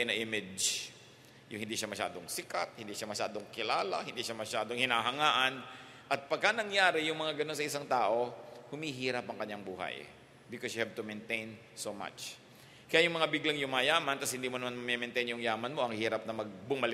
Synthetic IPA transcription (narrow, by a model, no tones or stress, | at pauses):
nɐʔɪmɪd͡ʒ | jʊŋhɪnd̪iːʃamɐʃa̰ːd̪oŋsɪka̰t̪̚hɪnd̪iʃamɐʃa̰ːd̪oŋkɪlaːlɐ̰hɪnd̪iʃamɐʃaːd̪oŋhɪnaɦɐŋaːʔɐn | ʔɐt̪̚pɐɡ̚kanɐŋjaːɾɪjʊŋmɐŋaɡɐno̞ns̬ɐʔɪsaŋt̪aːʔo̞hʊmiɦiːɾɐpɐŋkɐɲːaŋbuːha̰j | bɪkɔsjʊhɛv̚t̪ʊmɛnt̪ejn | soma̰t͡ʃ | kɐjajʊŋmɐŋabɪɡlaŋjʊmajaːmɐnt̪ɐshɪnd̪iːmonɐmanmɐmɛmɛnt̪ɛjnjʊŋjaːmɐnmo̞ʔɐŋhiːɾɐp̚nɐmɐɡ̚bʊmɐlɪ